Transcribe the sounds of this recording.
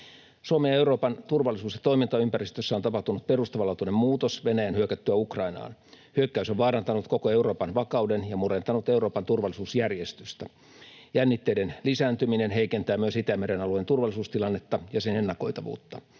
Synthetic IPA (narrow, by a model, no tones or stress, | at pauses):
suomejɑeuɾo̞ːpɑnt̪urʋɑlːˑisuːsjɑt̪o̞imint̪ɑympærist̪øsːæo̞nt̪ɑpɑht̪unut̪̚perust̪ɑʋɑlɑːt̪unemmuːt̪osʋe̞næjænhyøkæt̪ːyæukrɑinɑ̰ːn | hyøkːæysoʋʋɑːɾɑnt̪ɑnut̪kokoe̞uɾo̞ːpɑnʋɑkɑudenjɑmure̞nt̪ɑnut̪euɾo̞ːpɑnt̪urʋɑlːˑisuːsjærjest̪yst̪æ | jænːit̪ːeidenlisæːnt̪yminenɦeikent̪æːmyøsit̪æmeɾenɑluent̪urʋɑlˑisuːst̪ilɑnːet̪ːɑjɑsenenːɑko̞̰it̪ɑʋṵːt̪ːɑ